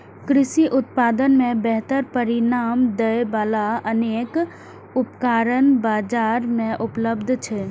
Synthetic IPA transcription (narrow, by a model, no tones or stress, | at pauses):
kɾɪsiʔʊt̪paːd̪ənmẽbɛɦt̪əɾpəɾinaːmd̪əʋaːlaəneːk | ʊpkaːɾənbaːd͡ʒaːɾmẽʔʊpləbd̪ʱt͡ʃʰɛ